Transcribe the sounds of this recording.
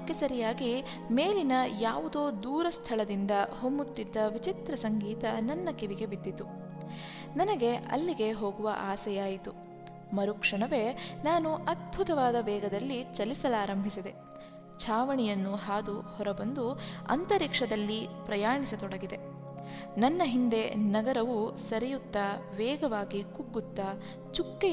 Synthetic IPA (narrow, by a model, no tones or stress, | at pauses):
kːesɐɾijaːɡi | meːlinɐjaːʋud̪o̞ːd̪uːɾɐst̪ʰɐɭɐd̪ind̪ɐhombut̪ːid̪ːɐʋit͡ʃit̪ɾɐsɐŋɡiːt̪ɐnɐnːɐkiʋiɡe̞bid̪ːit̪ːu | nɐnɐɡe̞ɐ̰lːiɡe̞ɦo̞ːɡuʋɐ̰ʔaːsɐjaːjit̪u | mɐɾukʂɐɳɐʋe̞ːnaːnuʔɐd̪̚bʱut̪ɐʋaːd̪ɐʋɛːɡɐd̪ɐlːit͡ʃɐlisɐlaːɾɐmbʱisid̪e̞ | t͡ʃʰaːʋɐɳijɐnːuɦaːd̪uhɔɾɐbɐnd̪uɐ̰nt̪ɐɾikʂɐd̪ɐlːipɾɐjaːɳisɐt̪ɔɽɐɡid̪e̞ | nɐnːɐɦind̪e̞nɐɡɐɾɐʋusɐɾɛjut̪ːɐʋɛːɡɐʋaːɡikuɡːut̪ːɐ | t͡ʃukːe